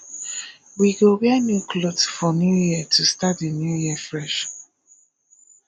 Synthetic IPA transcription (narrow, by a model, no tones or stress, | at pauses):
wiɡobɛnjuklodsfɔnjujiətʰustatinjujifɹɛʃ